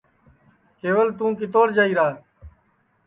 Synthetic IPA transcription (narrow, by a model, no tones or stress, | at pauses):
keːʋəlt̪ũːkɪt̪̬oːɽd͡ʒaːiːɾaː